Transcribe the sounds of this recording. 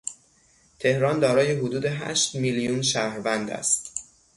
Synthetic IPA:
t̪ʰe̞hɾɒːnd̪ɒːɾɒːjeɦod̪uːd̪eɦæ̰ʃt̪miljuːnʃæhɾvænd̪æ̰st̪

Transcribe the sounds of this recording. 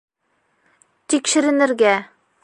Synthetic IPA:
t̪ikʃɘ̆ɾɘ̆nɘ̆ɾɡæ

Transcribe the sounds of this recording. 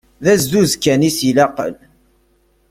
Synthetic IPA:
ðæzːuzkːænisilɑqə̰l

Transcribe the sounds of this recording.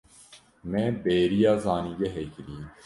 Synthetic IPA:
mebeːɾijaːzaːniɡeɦekɾiː

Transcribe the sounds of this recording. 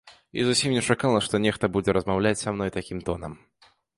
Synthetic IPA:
ḭzusʲimnʲɛt͡ʂakalˠɐʂt̪ɔnʲɛxt̪ɐbud͡zʲɛɾɐzmawlʲat͡sʲsamnɔjt̪akʲimt̪ɔnɐ̰m

